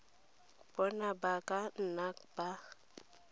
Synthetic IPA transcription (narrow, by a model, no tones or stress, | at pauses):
b̥ɔnabakan̩nak̚b̥a